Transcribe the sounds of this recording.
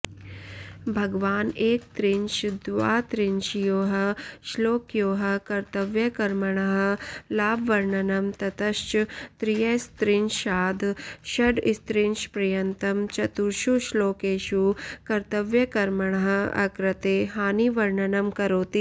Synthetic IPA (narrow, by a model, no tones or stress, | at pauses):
bʱɐɡʋaːneːk̚t̪ɾinʃd̪ʋaːt̪ɾɪnʃjoːɦɐʃloːkjoːɦɐkɐɾt̪ɐʋjɐkɐɾmɐɳɐɦɐ̆laːbʋɐɾɳɐnɐmt̪ɐt̪ɐʃt͡ʃt̪ɾijɐst̪ɾinʃʃaːd̪ʱʃɐɖist̪ɾinʃpɾɐjɐnt̪ɐmt͡ʃɐt̪uɾʃuʃloːkeːʃukɐɾt̪ɐʋjɐkɐɾmɐɳɐɦɐɐ̰kɾɐt̪eːɦaːniʋɐɾɳɐnɐmkɐɾoːt̪i